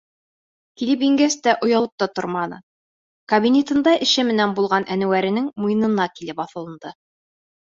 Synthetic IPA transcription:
kilɘpiŋɡæst̪æʔŏjɑlˠɤp̚t̪ɑt̪ŏ̰ɾmɑnɤ̰ | kɐbʲinʲet̪ɤ̆nd̪ɑʔɘ̆ʃɘmɘ̆nænbulˠʁɑnʔænɘ̆wæɾɘ̆nɘŋmujɤ̆nɤ̆nɑkilɘpɑθɤ̆lˠɤ̆nd̪̥ɤ

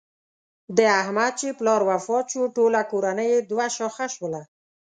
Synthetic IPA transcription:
d̪əahmad̪̚t͡ʃeplɑɾwafɑt͡ʃoʈolakoɾanəjed̪waʃɑxaʃwəla

